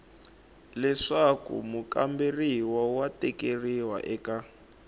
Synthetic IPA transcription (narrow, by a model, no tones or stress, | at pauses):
lɛʂakṵmukamberiwɔwatɛkeriwa̰ʔɛka